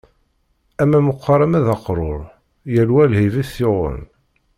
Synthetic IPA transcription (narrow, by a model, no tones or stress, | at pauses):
æmːæməqʷːɑɾˤɑmæðɑqɾˤoɾˤ | jælwælhiviθθɪʁə̰n